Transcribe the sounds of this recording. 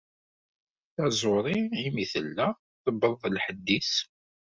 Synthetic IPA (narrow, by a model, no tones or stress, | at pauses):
θæzˤoɾˤiimiθə̰lːæ | θəbːəðˤðˤəlħəd̪ːis